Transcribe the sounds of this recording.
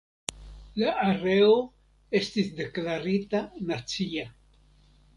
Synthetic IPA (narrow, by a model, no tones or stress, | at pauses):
laʔaɾeo | e̞st̪isd̪e̞klaɾit̪anat͡sia